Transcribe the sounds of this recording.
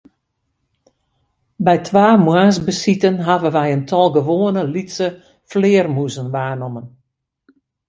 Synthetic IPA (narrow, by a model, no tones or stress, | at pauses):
bɛjtʰʋaːmwaːsbəsitənɦavənʋɛjəntʰɔlˠɡəʋoːənəlitsə | flɪːərmuzənʋaːnɔmən